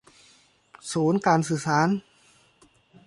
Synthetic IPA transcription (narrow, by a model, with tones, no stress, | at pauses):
suː˩˦˥nkaː˧nsɯː˨˩saː˩˦n